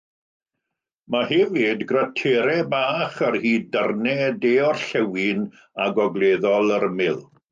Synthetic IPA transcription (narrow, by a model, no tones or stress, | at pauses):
maɦɛvɪdɡratʰeɾɛbaːχarhiːdərnɛdeːɔrɬɛwɪn | aɡɔɡlˠeːðɔlˠəɾəmɪlˠ